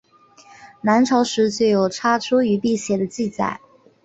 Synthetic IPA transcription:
na˧˥nʈ͡ʂʰɑ˧˥ʊʂɻ̩˧˥t͡ɕe˥˩jo˨˩ʊʈ͡ʂʰa˥ʈ͡ʂʰu˥y˧˥pi˥˩ɕjɛ˨˥˩d̪ə˧t͡ɕi˥˧t͡sa̰˥˩ɪ

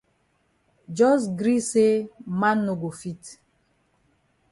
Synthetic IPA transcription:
d͡ʒɔ˦sɡɾi˦se˦ma˦nːo˨ɡo˨fi˦t

